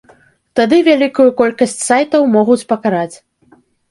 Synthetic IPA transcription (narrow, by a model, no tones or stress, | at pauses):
t̪ad̪ɨvʲalʲikujukɔlʲkɐsʲt͡sʲsajt̪ɐwmɔɣut͡sʲpɐkaɾat͡sʲ